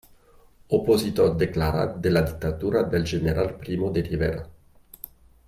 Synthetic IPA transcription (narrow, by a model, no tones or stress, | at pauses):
opozit̪ord̪eklaɾa̰t̪̚d̪elad̪ik̚t̪at̪uɾad̪elʒeneɾʔalpɾimod̪eriveɾa̰